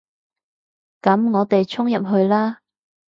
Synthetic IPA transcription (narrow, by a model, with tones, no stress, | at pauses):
kɐ˨˥mŋɔː˨˧t̪e˨jt͡ʃʰʊ˥ŋjɐ˨p̚ɦɵ˧ɥlaː˥